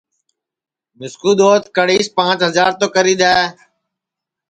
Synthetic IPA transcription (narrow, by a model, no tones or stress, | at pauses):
mɪskuːd̪oːt̪kəɽiːspãːt͡ʃɦəzaːɾt̪oːkəɾiːd̪aːe